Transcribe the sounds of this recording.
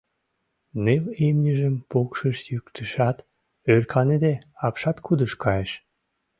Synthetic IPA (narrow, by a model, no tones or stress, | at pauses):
nelemnʲəʒəmpokʃəʃjykt̪ʰəʃɑt̪ | ørkʰɑned̪eɑpʃɑt̪kud̪əʃkɑjeʃ